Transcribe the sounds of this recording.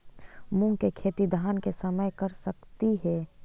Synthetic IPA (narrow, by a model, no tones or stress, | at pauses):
mũŋɡkekʰeːt̪id̪ʱaːnkesəməjkɐɾsəkt̪iɦɛː